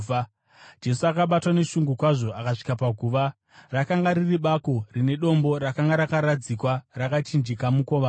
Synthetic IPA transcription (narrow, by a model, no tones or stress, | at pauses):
d͡ʒe̞suakaɓatwane̞ʃuŋɡukwaʐo̞akaʂi̥kapaɡʱuːʋa | rakaŋɡaɾiriɓako̞rine̞ɗo̞mbo̞ɾakaŋɡaɾakaɾad͡zikwarakat͡ʃind͡ʒikamukoʋa